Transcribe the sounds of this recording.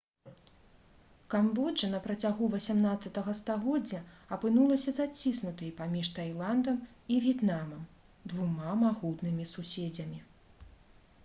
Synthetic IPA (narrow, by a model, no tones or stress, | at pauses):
kambɔd͡ʐɐnɐpɾɐt͡sʲaɣuvɐsʲamnat̪sɐt̪ɐɣɐst̪aɣɔd͡zʲːɐ | ɐpɨnulˠɐsʲɐzat͡sʲisnut̪ɨjpamʲiʂt̪ajlˠand̪ɐm | ivʲjɛt̪namɐm | d̪vumamaɣut̪nɨmʲisusʲed͡zʲɐmʲi